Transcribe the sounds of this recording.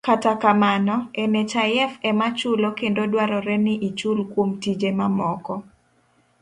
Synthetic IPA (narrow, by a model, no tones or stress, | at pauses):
katakamanɔenet͡ʃajɛfɛmat͡ʃʊlokendodwaɾɔɾɛnɪʔit͡ʃulkwomtid͡ʒemamɔkɔ